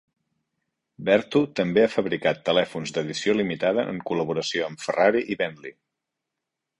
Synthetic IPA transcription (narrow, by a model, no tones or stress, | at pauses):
bɛɾt̪ut̪əmbeafəβɾikat̪ːəlɛfunzd̪əðisiolimit̪aðəʔə̰ŋkuləβ̞uɾəsioəmfəraɾiʔiβɛnli